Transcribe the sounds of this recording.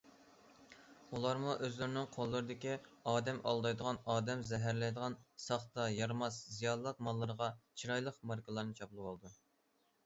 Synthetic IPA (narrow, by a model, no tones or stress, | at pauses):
ulˠɑɾmuʔøzlyɾnɪŋqʰolˠːɨɾɨd̪ɪkʲiɑːd̪ɛmʔɑ̰lˠd̪ɑjd̪əʁɑnɑːd̪ɛmzɛɦæɾlɛjd̪əʁɑnsɑχt̪ɑjɑɾmɑszijɑnlˠəq̚mɑlˠːəɾəʁɑt͡ʃʰiɾɑjlˠəqmɑɾkʰəlˠɑɾnɨt͡ʃʰɑplˠɨwɑlˠd̪u